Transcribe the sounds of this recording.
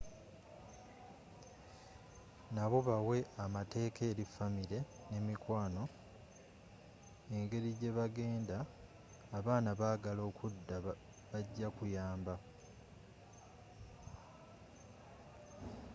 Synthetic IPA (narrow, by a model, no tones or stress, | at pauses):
naβo̞βawe̞amate̞ːkʰe̞ːɾifamiɾe̞ | ne̞mikwaːno̞ | e̞ŋɡe̞ɾiɟe̞βaɡe̞ːndaː | βaːnaβaːɡalo̞ːkʰudːa | βaɟːakujaːmba